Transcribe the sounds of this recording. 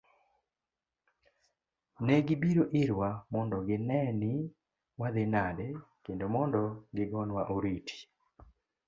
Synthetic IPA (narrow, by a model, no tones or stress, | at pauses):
nɛɡɪbiɾoʔɪɾwamɔndɔɡɪnɛnɪ | wad̪ɪnadɛkendomɔndɔɡɪɡɔnwaʔoɾitʰi̥